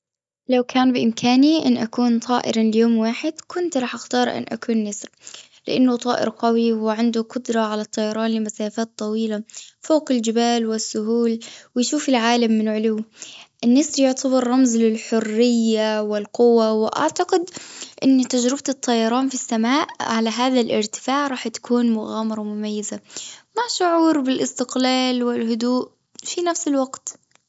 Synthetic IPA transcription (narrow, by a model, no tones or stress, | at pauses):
lawkʰaːnbɪʔɪmkʰaːniʔɪ̰nːʔakuːnt̪ˤʰɑːʔɪ̰ɾljoːmwaːħɪd̪̥kʊnt̪ɾˤɑːħʔaxt̪ɑːɾˤʔɪ̰nːʔa̰kuːnːɪsɾ | lɪ̰ʔanːʊt̪ˤɑːʔɪ̰ɾqawiwɪʕɪnd̪ʊqʊd̪ɾˤɑʕalat̪ˤːɑjɑɾˤɑːnlɪmasaːfaːt̪ˤːɑwiːlafoːqɪld͡ʒɪbaːlwɪsːʊɦuːlwɪjʃuːfɪlʕaːlamːɪnʕʊlʊwːʔɪnːaːsbjʊʕt̪ʰabɑɾˤːɑmzlɪlħʊrːɪjːawɪlqʊwawɪʔa̰ʕt̪aqɪd̪ʔɪnːt̪ad͡ʒɾɪbt̪ɨt̪ˤːɑjɑɾˤɑːnfisːamaːʔʕalaɦaːðalʔɪ̰ɾt̪ɪ̥faːʕɾˤɑːħt̪ḁkʰuːnmʊɣaːmɑɾˤɑmʊmajːazamaʕʃʊʕuːɾbɪlʔɪst̪ɪqlaːlwɪlhʊd̪uːʔ | finafsɪlwaɡt̪